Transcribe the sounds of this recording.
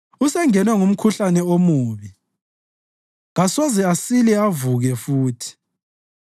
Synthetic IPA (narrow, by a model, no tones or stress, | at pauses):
usɛŋɛnwɛŋum̩kʰuɬanɛomuːβi | ɣasɔzɛasilɛavuɣɛfuːtʰi̥